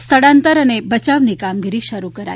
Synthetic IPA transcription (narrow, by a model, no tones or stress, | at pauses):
st̪ʰəɽãnt̪əɾənebət͡ʃaʋnikamɡiɾiʃəɾukəɾa̰